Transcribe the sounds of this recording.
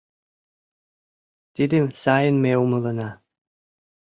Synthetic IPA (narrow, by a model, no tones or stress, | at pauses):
t̪id̪ɘmsɑjənmeumɤ̆lˠɤ̆nɑ